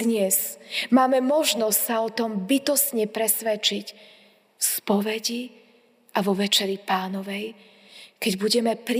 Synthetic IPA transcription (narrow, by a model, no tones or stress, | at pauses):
ɲɛzmaːmɛmɔʒnɔssaɔt̪ɔmbit̪ɔsɲɛpɾɛsʋɛt͡ʃic | fspɔʋɛɟi | ʔaʋɔʋɛt͡ʃɛɾipaːnɔʋɛj | kɛɟbuɟɛmɛpɾ